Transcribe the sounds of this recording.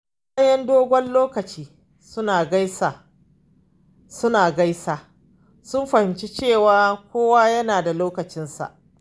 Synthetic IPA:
sa˦jɛ˦ndoː˦ɡʷɔ˦nloː˦kɐ˨t͡ʃiː˦ | sʊ˦naː˨ɡa˦jsaː˨ | sʊ˦naː˨ɡa˦jsaː˨ | sʊ˦nɸɐ˨hɪ˨mt͡ʃe˦t͡ʃeː˦˨waː˨kʷoː˦waː˦jɐ˦naː˨da˨loː˦kɐ˨t͡ʃɪ˦nsa̰˨ʔ

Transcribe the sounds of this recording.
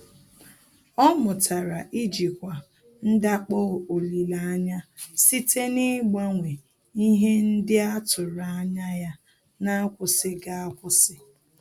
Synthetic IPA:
ɔ˦mʊ˨tʰa˨ɾa˨ʔi˦d͡ʒi˨kʷa˨ | n̩˦da˦k͡pɔ˦˨o˨li˨la˨a˦ɲa˦si˦te˦nɪ˦ɡ͡ba˦ŋʷe˨ | i˦ɦe˦n̩˦dɪ˦a˦tʊ˨ɾa˨a˦ɲa˦ja˦ | na˦a˦kʷʊ˨sɪ˦ɡa˦a˦kʷʊ˦sɪ˦

